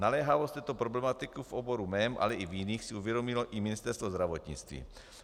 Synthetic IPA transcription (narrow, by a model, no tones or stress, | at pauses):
nalɛːɦavost̪ɛːt̪opɾoblɛmat̪ɪkifʔoboɾumɛmʔa̰lɛʔivjɪniːxsɪuvjɛdo̞mɪloʔɪmɪnɪst̪ɛɾst̪vozd̪ɾavo̞t̪ɲɪ̰t͡st̪vḭː